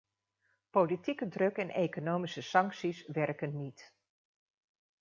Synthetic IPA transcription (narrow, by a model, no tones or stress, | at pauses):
politikədrɵkɛnejkonowmisəsɑŋksisʋɛrkənːit